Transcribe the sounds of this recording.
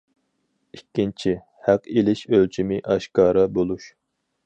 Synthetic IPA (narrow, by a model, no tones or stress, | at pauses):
ikʲːint͡ʃʰi | hæqilɪʃølt͡ʃʰimɪʔɑʃkɑːɾɑbolˠuʃ